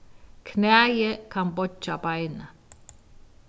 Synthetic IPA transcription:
kʰneajekʰampot͡ʃːapajna

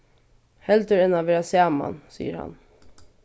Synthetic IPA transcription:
hɛld̪əɾɛnaʋɛːɾasæːma̰nsḭːəɾha̰n

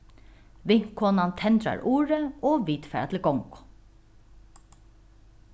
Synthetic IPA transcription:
ʋɪŋ̥kʰɔːnant̪ʰɛnt̪ɾa̰ɹʔuːɹəɔːʋiːt̪fɛːa̰t̪ʰɪlɡɔŋkʊ̥

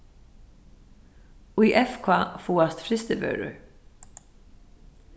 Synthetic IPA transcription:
iːʔɛfkʰvafuːast̪fɾɪst̪ɪbœ̰ɥɾʏ̰ɹ

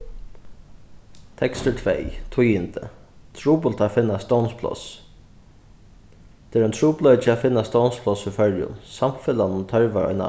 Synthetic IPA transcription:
t̪ʰɛkst̪ətʰvɛ̰jt̪ʰujɪnt̪ə̰t̪ʰɹuːpʊlt̪ʰafɪnːast̪ɔwnspʰlɔ̰s | t̪ʰɛːɾœnt̪ʰɹuːplɔʏt͡ʃəaːfɪnːast̪ɔwnspʰlɔsifœɹjʊ̰nsamfɪlanʊnt̪ʰœɹʋaɔ̰ʏna̰

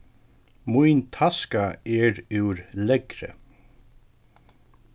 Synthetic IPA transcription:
mʊjnt̪ʰaskaɛɾʉwɾlɛɡɾə̰

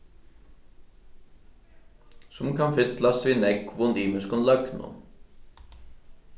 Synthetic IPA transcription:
sʊmkʰanfɪt̪last̪vinɛkvʊniːmɪskʊnlœknʊ̰n

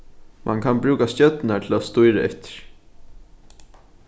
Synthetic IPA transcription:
mʔa̰ŋkʰanbɾʉːkast̪jœt̪nat̪ʰɪlast̪ʊjɾaɛ̰t̪ɪ̥ɹ̥

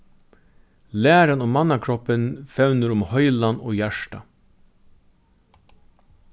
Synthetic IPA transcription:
læːɾɑnɔmɑnɑkʰɾɔpənfɛʉnəɾʊmhœʏlɑno̰ːjæʃʈɑ

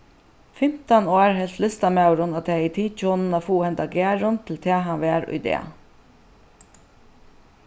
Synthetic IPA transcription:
fɪm̥t̪anoːɹɦɛlt̪lʏst̪amawɾʊnat̪ʰɛːit̪ʰiːt͡ʃɔːnnafuːhɛnt̪aɡæːɹʊnt̪ʰɪlt̪ʰɛːɦanʋæːɾʊ̰jd̪ɛ̰ː

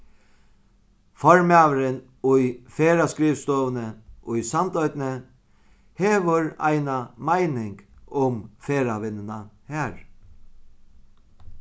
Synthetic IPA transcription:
fɔɹmæːʋəɾɪn | ʊjfeːɾaskɾiːʋst̪ɔːʋənəʔʊjsamt̪œʏt̪nə | heːʋəɹa̰ɪnamaɪnɪŋkʊmfeːɾaʋɪnːənahæːɾ

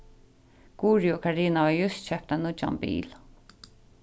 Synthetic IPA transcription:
ɡ̥uːɹiʊkʰaɹiːnavaɹjʊst̪t͡ʃɛhp̚t̪anʊt͡ʃa̰mbḭːl

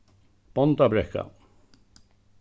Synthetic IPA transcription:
b̥ɔnt̪abɾɛkːa̰

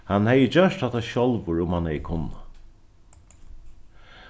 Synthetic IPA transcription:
hanhɛjəd͡ʑœʂt̪hat̪ʰaʃɔlʋʊɹʊmhanhɛjəkʰʊnːa

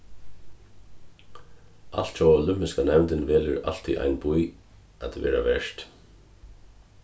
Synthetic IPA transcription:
a̰l̥t̪t͡ʃɔɔlʏmɪskanɛmnt̪ɪnvɛːlɪɾa̰lt̪ḭʔa̰jnbuj | at̪vɛ̰ːɾavɛʂt̪

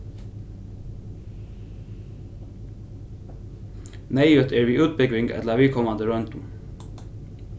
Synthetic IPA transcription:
neɪʉt̪ʰeːɹʋiːʉːt̪̚bʏɡʋɪŋɡɛ̰t̪lɑʋɪːkʰɔmɑnd̪əɹœnt̪ʊm

